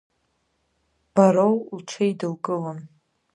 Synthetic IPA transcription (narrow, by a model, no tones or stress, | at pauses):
b̥aɾowlʈ͡ʂʷʰejdɨlkʼɨlam